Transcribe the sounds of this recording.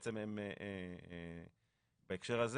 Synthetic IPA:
t͡sememeʔe | baekʃeʁhaz

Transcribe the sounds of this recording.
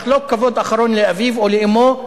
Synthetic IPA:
lokːavod̪ʔaχaɾonleavivoleʔimo

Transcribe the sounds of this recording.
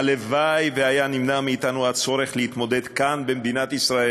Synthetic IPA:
levajveajanimnamiːt̪anuat͡so̞ɾeχlehit̪mo̞d̪ed̪kanbemd̪inat̪isʁae

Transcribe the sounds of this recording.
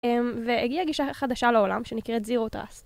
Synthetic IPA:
emveeɡiaɡiʃaχad̪aʃalao̞lamʃenikʁɛtziʁot̪ʁa̰s

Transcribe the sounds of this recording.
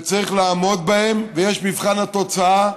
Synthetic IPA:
t͡saʁiχlaːmo̞d̪̚bahe̞mvejeʃmivχanat̪o̞t͡saa

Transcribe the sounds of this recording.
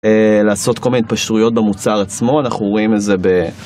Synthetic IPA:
elaːso̞tkolmineit̪̚paʃtujo̞t̚bemut͡saʁat͡smo̞anaχuimeze̞be

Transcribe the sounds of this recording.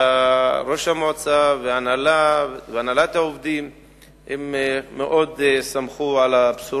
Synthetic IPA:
aɾo̞ʃhamot͡saveanalaveanalat̪haovd̪im | hemmːeʔo̞d̪samχuʕalapsu

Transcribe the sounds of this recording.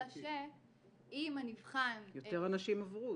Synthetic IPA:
ʃe | imanivχamjoteʁanaʃimavʁu

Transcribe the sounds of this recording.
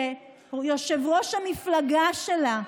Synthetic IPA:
e | joʃevʁo̞ʃhamiflaɡaʃela

